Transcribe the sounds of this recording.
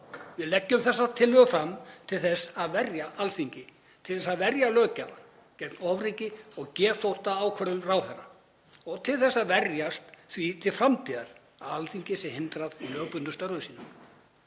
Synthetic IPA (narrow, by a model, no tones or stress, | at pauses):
vɪðlɛcːʏmθɛsːat̪ʰɪlːʏɣʏfɾamːt̪ʰɪlθɛsaðvɛrjaʔalθiɲcɪ | t̪ʰɪlθɛsːaðvɛɾjalœːcaa | cɛt̪nɔvriːcɪɔɣcɛːθowht̪aaːwkʰvɛɾðʏmraːwθɛrːa̰ | ɔɣt̪ʰɪlθɛsːaðvɛrjast̪θvit̪ʰɪlfɾamt̪ʰiːðaɾ̥ | aalθiɲcɪsɛmhɪnt̪ɾaðlœːɣpʏnt̪ʏst̪œɾʏðsiːnam